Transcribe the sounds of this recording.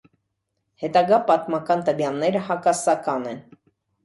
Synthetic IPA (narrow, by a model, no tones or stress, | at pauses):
hɛt̪ɑɡɑpɑt̪mɑkɑnt̪əvjɑnːɛɾəɦɑkɑsɑkɑnɛn